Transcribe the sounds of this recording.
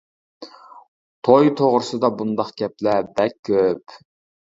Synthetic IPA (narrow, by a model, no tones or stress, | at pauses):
t̪ʰojt̪ʰoʁɾɨsɨd̪ɑbund̪ɑχɡ̥ʲɛplɛbɛkʲʰːøp